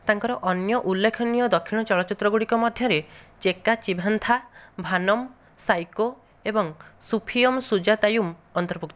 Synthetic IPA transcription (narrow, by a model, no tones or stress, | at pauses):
t̪aŋkɔɾɔʔɔnjɔʔulːekʰɔnijɔd̪ɔkʰiɽ̃ɔt͡ʃɔɭɔt͡ʃit̪ɾɔɡuɽikɔmɔd̪ʱjɔɾet͡ʃekat͡ʃibʱant̪ʰabʱanɔm | sajko | ebɔŋsupʰijɔmsud͡ʒat̪ajumɔnt̪ɔɾpukt̪ɔ